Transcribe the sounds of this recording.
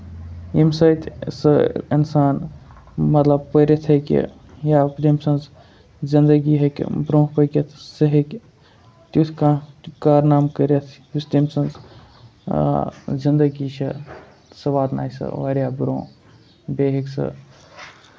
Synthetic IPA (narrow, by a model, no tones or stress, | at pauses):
imsɐjt̪sɨinsaːn | mɐt̪lɐbpəɾet̪ʰɐkʲḭ | jaːpt̪imsɐnz | zind̪əɡiɦɐkʲbɾõːpəket̪ʰsɐɦekʲ | t̪ut̪ʰkakaːɾnaːmkəɾʲɐt̪ʰ | ust̪imsɐnz | zind̪əɡit͡ʃʰɐ | sɐʋaːd̪na̰ːisɨ̰ʋaɾjaːbɾõː | beːɦiksɨ̰